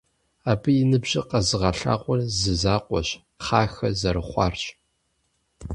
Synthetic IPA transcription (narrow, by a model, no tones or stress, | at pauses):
aːbɨjɪnɨbʑɪqɐzɨʁɐɬa̰ːqʷʼɔrzɨzaːqʷʼɔɕ | qaːxɐzɐɾɨχʷɑ̰ːrɕʼ